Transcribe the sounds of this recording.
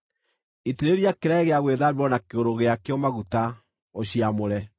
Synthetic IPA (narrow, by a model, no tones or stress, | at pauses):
itiɾeɾiakeɾaeɣeaɣweðaβewɔnakeoɾoɣeakeɔmaɣuta | oɕiamoɾɛ